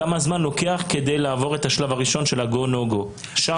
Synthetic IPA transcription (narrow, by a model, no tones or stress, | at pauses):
amazmanlo̞ke̞aχke̞dejlaːvo̞ʁetaʃlavaʁiʃo̞nʃe̞laɡonoɡo | ʃa